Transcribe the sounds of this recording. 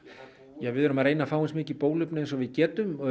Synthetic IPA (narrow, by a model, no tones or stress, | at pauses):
jɛvɪðɛɾʏmaɾeːjnafaːwɪnsmɪːcɪpoːwlʏpnɪɛns̬ɔvɪðcɛːt̪ʏm